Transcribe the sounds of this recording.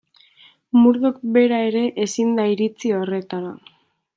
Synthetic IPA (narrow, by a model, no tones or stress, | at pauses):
muɾðok̚be̞ɾae̞ɾe̞ʔesind̪aiɾit͡sio̞re̞t̪aɾa